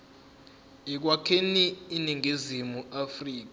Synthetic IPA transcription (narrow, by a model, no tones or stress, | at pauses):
ik̬wakʰeniːniŋʱizimuafriːk̬a